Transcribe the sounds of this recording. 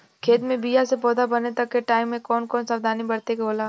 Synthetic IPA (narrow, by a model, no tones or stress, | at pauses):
kʰeːt̪mẽbijasepɔːd̪abɐnet̪ɐkːeʈaːɪmːẽkɔːnkɔːnsɐʋd̪ʱaːnibɐɾt̪ekoːlaː